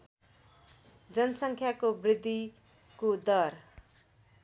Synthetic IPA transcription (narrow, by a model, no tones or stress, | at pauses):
d͡zʌnʌsʌŋkʰjakobrid̪ʱːi | kod̪ʌr